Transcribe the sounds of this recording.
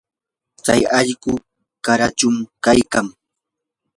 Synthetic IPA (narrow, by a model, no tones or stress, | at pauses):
t͡sajɑʎɢʊ | kaɾat͡ʃʊmkajkaŋ